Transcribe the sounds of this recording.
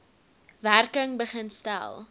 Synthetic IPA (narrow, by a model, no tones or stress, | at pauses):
værkəŋbəχənstæ̰lˠ